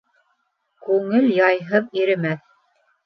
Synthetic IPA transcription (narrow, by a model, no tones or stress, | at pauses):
kʉŋɘljɑjɦɤðiɾɘ̆mæθ